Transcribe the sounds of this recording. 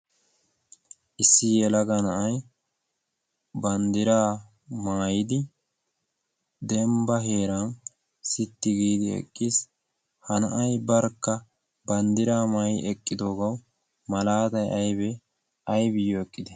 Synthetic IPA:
ʔɪsːɪjɛlɐɡɐnɐʔɐj | bɐnd̪ɪɾaː | maːjɪd̪ɪ | d̪ɛmbɐɦe̞ːɾɐn | sɪt̪ːɪɡiːd̪ɪɛ̰kʼːiːs | hɐnɐ̰ʔɐjbɐɾkːɐ | bɐnd̪ɪɾaːmaːjɪʔɛkʼːɪd̪o̞ːɡɐw | mɐlaːt̪ɐjʔɐjbɛ | ɐjbɪjoɛkʼːɪd̪ɛ

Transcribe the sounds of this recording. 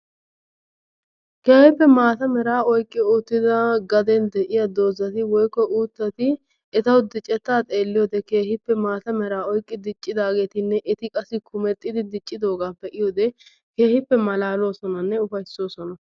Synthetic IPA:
ke̞ːhɪpːɛmaːt̪ɐmɛɾaːɔjkʼːɪʊːt̪ːɪd̪ɐɡɐd̪ɛnd̪ɛʔɪjɐd̪o̞ːzɐt̪ɪwɔjkːɔʔuːt̪ːɐt̪ɪ | ɛt̪ɐwd̪ɪt͡ʃʼːɛt̪ːaːt̪ʼeːlːɪjoːd̪ɛke̞ːhɪpːɛmaːt̪ɐmɛɾaːɔjkʼːɪd̪ɪt͡ʃʼːɪd̪aːɡe̞ːt̪ɪnːɛʔɪt̪ɪkʼɐsɪkʰʊmɛt̪ʼːɪd̪ɪd̪ɪt͡ʃʼːɪd̪o̞ːɡaːpːɛʔɪjoːd̪ɛ | ke̞ːhɪpːɛmɐlaːlo̞ːsɔnɐnːɛʊfɐjso̞ːsɔnɐ

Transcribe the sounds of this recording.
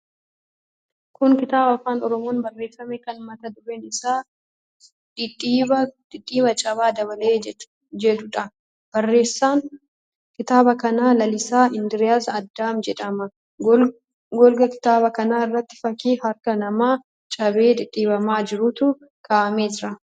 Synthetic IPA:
kʊŋkɪt̪aːbɐfːaːnɔɾɔmo̞ːnbɐrːe̞ːsːɐmekɐnmɐt̪ɐd̪ʊɾeːnɪsaː | ᶑɪᶑiːɐd̪̥ɪᶑʼːiːβɐt͡ʃʼɐβaːd̪ɐβɐleː | d͡ʒɛd̪ʊᶑɐ | b̥ɐrːeːsaːŋ | kɪt̪aːbɐkɐnaːlɐlɪsaːɪnd̪ɪɾɪjaːsɐd̪ːaːmd͡ʒɛᶑɐmɐ | ɡɔlɡɐkɪ̥t̪aːbɐkɐnaːɪrːɐt̪ːɪ̥fɐkiːhɐɾkɐnɐmaː | t͡ʃʼɐbeːd̪ɪᶑʼːiːbɐmaːd͡ʒɪɾʊt̪ʊ | kʰaːʔɐmeːsɾɐ

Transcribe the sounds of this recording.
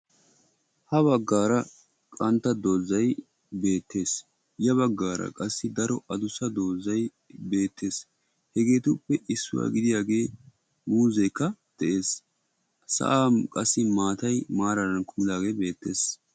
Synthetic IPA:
hɐβɐɡːaːɾɐ | kʼɐnt̪ːɐd̪o̞ːzɐj | be̞ːt̪ːe̞ːs | jɐβɐɡːaːɾɐ̰kʼɐsːɪd̪ɐɾɔʔɐd̪ʊsɐd̪o̞ːzːɐj | be̞ːt̪ʰːe̞ːs | hɛɡe̞ːt̪ʊpːɛʔɪsːʊ̰wa̰ːɡɪd̪ɪjaːɡe̞ː | muːzɛjkːɐd̪̥ɛʔe̞ːs | sɐ̰ʔaːmkʼɐsːɪmaːt̪ɐjmaːɾɐd̪ɐnkʊmɪd̪aːɡe̞ːbe̞ːt̪ːe̞ːs

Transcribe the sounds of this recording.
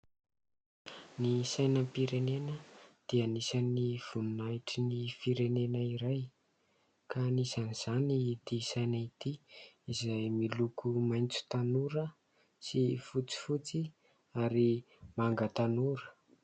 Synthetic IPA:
nisajnəpiɾenenəd̪̥ianisaniv̥ununaʈ͡ʂinifiɾenenəiɾaj | kanizaniz̥anid̪isajnait̪iizajmilukumajnt͡su̥t̪anuɾə | sifut͡si̥fut͡si | aɾi | maŋɡət̪anuɾə̥

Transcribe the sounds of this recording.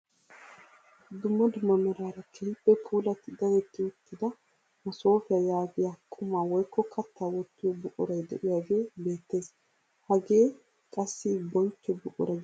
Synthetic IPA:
d̪ʊmːɐd̪ʊmːɐmɛɾaːɾɐkʰɛjpʼːɛpʰuːlɐt̪ːɪd̪ɐwɛt̪ːɪʊt̪ːɪd̪ɐ | mɐso̞ːfɪjɐjaːɡɪjakʰːʊmaːwɔjkːɔkʰɐt̪ːaːwɔt̪ːɪjɔbʊkʼɔɾɐjd̪ɛ̰ʔɪjaɡeːbe̞ːt̪ːe̞ːs | hɐɡe̞ː | kʼɐsːibɔnt͡ʃːɔbʊkʼɔ̰ɾɐɡ

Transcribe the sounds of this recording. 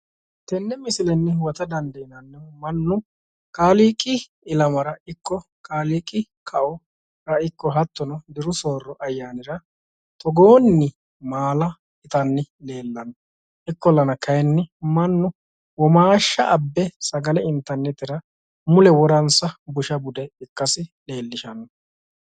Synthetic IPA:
t̪ɛnːɛmɪsɪlɛnːɛwɔt̪ɐd̪ɐnd̪ejnɐnːɛmɐnːʊ | kʼaːliːkʼɪ | ɪlɐmɐɾɐɪkːɔ | kʼaːliːkʼːɪ | kʰɐʔɔ | ɾɐɪkːɔɦɐt̪ːɔnɔd̪ɪɾʊsoːrːɔʔɐjːaːnɪɾɐ | t̪ɔɡoːnːɪ | maːlɐ | ɪt̪ɐnːɪle̞ːlːɐnːɔ | ʔɪkːɔlːɐnɐkɐjɛnːɪmɐnːʊ | wɔmaːʃːɐ̰ʔɐbːɛsɐɡɐlɛɪnt̪ːɐɾnːɛt̪ɪɾɐ | mʊlɛwɔɾɐnsɐbʊʃɐbʊd̪ɛɪkːɐsɪle̞ːlːɪʃɐnɔ

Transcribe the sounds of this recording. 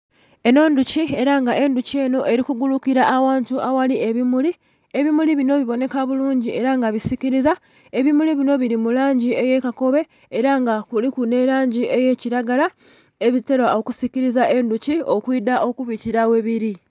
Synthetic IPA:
e̞no̞ːnducie̞ɾaŋɡaʔe̞nducie̞no̞ʔe̞ɾikuɡulukiɾaʔːwaːntuawalieβimuli | e̞βimuliβino̞βiβo̞ne̞kaβuluːɲɟie̞ɾaŋɡaβisiciɾiza | e̞βimuliβino̞βiɾimulaːɲɟie̞je̞kako̞βe̞ | eɾaŋɡakulikune̞ɾaːɲɟiʔe̞je̞ciɾaɡala | eβite̞ɾwao̞kusiciɾizaʔe̞nducio̞kwiːdaʔo̞kuβiciɾawe̞βiɾi

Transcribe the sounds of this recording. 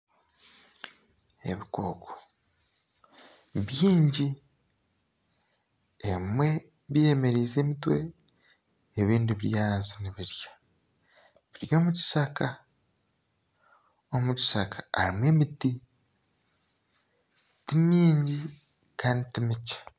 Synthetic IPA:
e̞̰βiko̞̰ːkʰo | βjiːɲɟi | emwe̞ | βije̞me̞ɾiːze̞ːmitwe̞̰ | βiːndiβiɾjaːnziniβiɾjḁ | βiɾjo̞ːmuci̥ʃaka | o̞muci̥ʃakḁaɾimwe̞ːmiti | timiːɲɟi | kʰaːnditimicḁ

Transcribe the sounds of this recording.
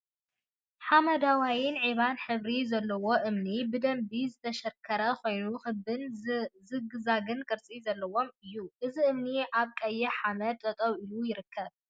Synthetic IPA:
ħamɐd̪awajɪnʕiβanħɨβɾizɐlːɐwo̞ʔɨmnibɨd̪ɐmbizɨt̪ʰɐʃɐkʰːɐɾɐkʰo̞jnuxɨbɨnzɨɡɨzaɡɨnkʼɨɾt͡sʼizɐlːɐwo̞mɨjːuʔɨziʔɨmniʔaβkʼɐjːɛħamɐd̪̚t̪ʼɐt̪ʼɐwilujɪɾɨkʰːɐβ

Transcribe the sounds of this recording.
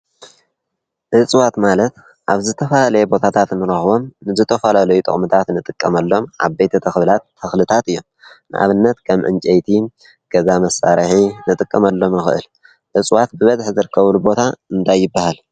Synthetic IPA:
ʔɨt͡sʼwat̪malɐt̪ | ʔaβzɨt̪ʰɐfɐlalɐjɛbo̞t̪ʰat̪ʰat̪nɨɾɐxβo̞mnɨzɨt̪ʰɐfɐlalɐjut̪ʼɨ̰χʼmɨt̪ʰat̪nɨt̪ʼɨkʼːɐmɐlːo̞mʔa̰βbejt̪ʰɐt̪ʰɐxβlat̪ʰːɐxlɨt̪ʰat̪ɨjːo̞m | nɨ̰ʔa̰βɨnːɐt̪kʰɐmʕɨ̰nt͡ʃʼɐjt̪ʰi | ɡ̥ɐzamɐsːa̰ɾħinɨt̪ʼɨkʼːɐmɐlːo̞mjɨxɨʔɨ̰l | ʕɨt͡sʼwat̪̚bɨβɐzħzɨɾɨkʰːɐβulubo̞t̪ʰaɨnt̪ʰajːɪbːahal

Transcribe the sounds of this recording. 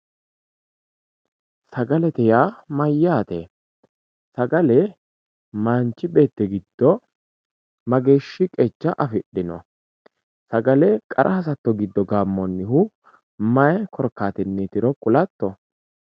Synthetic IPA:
sɐɡɐlɛt̪ɛjaːmɐjːaːt̪e | sɐɡɐlɛ | maːnt͡ʃːɪbe̞ːt̪ːɛɡɪd̪̥ːɔ | mɐɡe̞ːʃːɪkʼɛt͡ʃːɐʔɐfɪɗːɪnɔ̰ | sɐɡɐlɛkʼɐ̰ɾʔɐhɐs̬ɐt̪ːɔɡɪd̪ːɔɡaːmːɔnːɪhʊ | mɐjɛkɔɾkːaːt̪ɪnːɪt̪ɪɾɔkʼʊlɐt̪ːɔ

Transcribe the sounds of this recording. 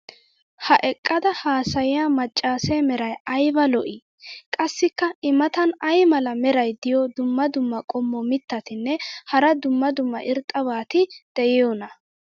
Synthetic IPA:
hɐʔɛkʼːɐd̪ɐhaːsɐjɪjaːmɐt͡ʃʼːaːsɛmɛɾɐjɐjbɐlɔʔɪ | kʼɐsːɪkːɐɪmɐt̪ɐnɐjmɐlɐmɛɾɐjd̪ɪjɔd̪ʊmːɐd̪ʊmːɐkʼɔmːɔmɪt̪ːɐt̪ɪnːɛhɐɾɐd̪ʊmːɐd̪ʊmːɐ̰ʔɪɾt̪ʼːɐβaːt̪ɪd̪̥ɛjɛjɔnɐ

